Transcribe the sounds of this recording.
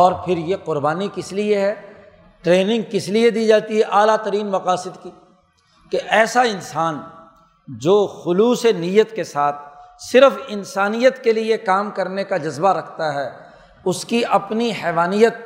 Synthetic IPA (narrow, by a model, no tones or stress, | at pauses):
ɔːɾpʰɪɾjeqʊɾbaːnikɪslieɦɛ | ʈɾeːnɪ̃ŋɡ̚kɪslied̪iːd͡ʒaːt̪iɦɛʔaːlat̪ɐɾiːnmɐqaːsɪd̪ki | keʔɛːsaɪnsaːn | d͡ʒoːxʊluːsenijət̪kesaːt̪̚ʰsɪɾəfɪnsaːnijət̪keliekaːmkɐɾnekad͡ʒɐzbaɾɐkʰt̪aɦɛː | ʊskiʔɐpniɦɛːʋaːnijət̪̚